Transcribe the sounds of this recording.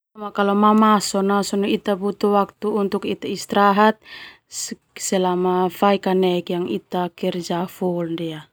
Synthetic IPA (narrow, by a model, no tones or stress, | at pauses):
amakalɔmamasɔnasɔnɔit̪abut̪uwak̚t̪uːnt̪ukit̪aist̪ɾaɦat̪̚ | sɛlamafaikanɛkjaŋit̪akɛrd͡ʒafuldia